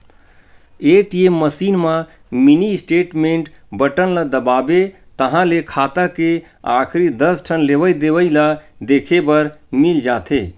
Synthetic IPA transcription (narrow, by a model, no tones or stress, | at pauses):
eːʈijeməsiːnmã | minisʈeːʈmẽɳʈbəʈənlad̪əbaːbe | t̪əɦãlekʰaːt̪ake | a̰ːkʰɾid̪əsʈʰənleʋəid̪eʋəilad̪eːkʰebəɾmild͡ʒaːt̪ʰeː